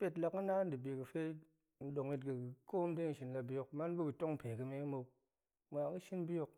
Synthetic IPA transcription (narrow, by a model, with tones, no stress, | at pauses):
pe˦tla˧kɨ˦na˦n˦dɨ˨bi˨kɨ˨fe˦ | n̩˦ɗo˨ŋi˧tkɨ˨ko˦m˦de˦ŋ˨ʃi˧nla˧bi˧jo˧kma˦n˦bɨ˦kɨ˨to˦ŋ̩˨pe˨kɨ˧me˦i˦mo˧ | mʷ˨a˨˦kɨ˦ʃi˦nbi˦jo˧k̚